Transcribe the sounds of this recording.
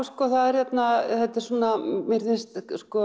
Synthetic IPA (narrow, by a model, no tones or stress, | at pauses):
skɔθaðɛr̥hjɛt̪naθɛt̪ɛ̥suːnamɪɾθɪnst̪skɔ